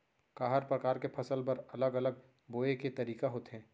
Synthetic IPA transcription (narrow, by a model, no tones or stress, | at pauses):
kaːɦəɾpɾɐkaːɾkepʰɐsəlpɐɾɐləɡɐləɡ̚ | boːeket̪ɐɾiːkaɦoːt̪ɦɛ̃ː